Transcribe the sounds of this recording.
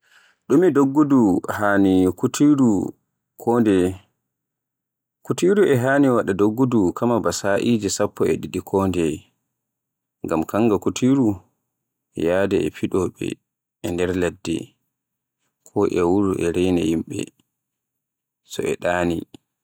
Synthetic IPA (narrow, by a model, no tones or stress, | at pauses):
ɗumidoɡːuduhaːnikutʰiɾu | kʰɔːndɛ | kutiɾuʔɛɦaːniwaɗadoɡːudukʰamabasaʔiːd͡ʒisapːɔɛɗiɗikʰɔndɛ | ŋɡamkaŋɡakutʰiɾu | ɛ̰jaːdɛɛfiɗɔɓɛ̰ | ɛndɛɾladːɛ̰ | kʰɔʔɛwuɾuʔɛɾɛjna̰himɓɛ̰ | sɔ̰ɛ̰ɗaːnḭ